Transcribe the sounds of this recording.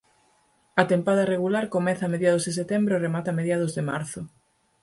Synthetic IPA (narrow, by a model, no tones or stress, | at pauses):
ɐt̪empaðɐreɣulaɾkomɛθameðjaðʊzðes̬et̪embɾooremat̪ameðjaðʊzðema̰ɾθʊ